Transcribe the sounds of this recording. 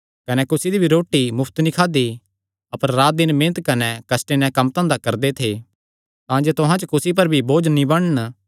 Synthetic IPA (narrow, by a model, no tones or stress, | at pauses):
kɐnɛkʊsid̪ibʱiɾoːʈːimʊpʰt̪nĩkʰaːd̪i | ɐpəɾːaːt̪̚d̪ɪnmẽːnət̪kɐnɛkɐsʈenɛ̃kɐmt̪ãːnd̪akɐɾd̪et̪ʰe | t̪ãːd͡ʒeːt̪ʊɦãt͡ʃəkʊsip̬ɐɾbʱiboːd͡ʒnĩbɐɽ̃ən